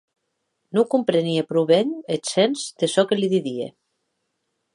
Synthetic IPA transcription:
nukumpɾeniepɾuβeɲesenzd̪esɔkeliðiðiḛ

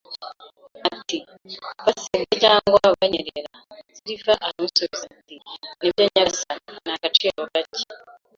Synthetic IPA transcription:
ati | βasiβecaːŋɡwaβaɲeɾḛɾaz̥iɾifaʔaɾamusoβizatiniβjaɲasanakat͡ʃijaokace̥

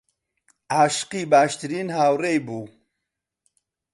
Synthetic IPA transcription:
aːʃɨ̥qiːbaːʃt̪ɨɾiːnhaːwrejbuː

